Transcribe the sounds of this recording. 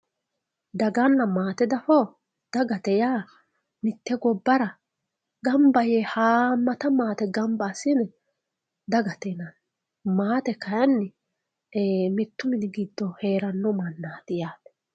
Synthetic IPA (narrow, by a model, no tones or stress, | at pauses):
d̪ɐɡɐnːɐmaːt̪ɛd̪ɐfɔ | d̪̥ɐɡɐt̪ɛjaː | mɪt̪ːɛɡɔbːɐɾɐ | ɡɐmbɐjɛhaːmːɐt̪ɐmaːt̪ɛɡɐmbaːsːɪnɛ | d̪ɐɡɐt̪enɐn | maːt̪ɛkɐjɐnːɪ | mɪt̪ːʊmɪnɪɡɪd̪ːɔhe̞ːɾɐnːɔmɐnːaːt̪ɪjaːt̪ɛ̥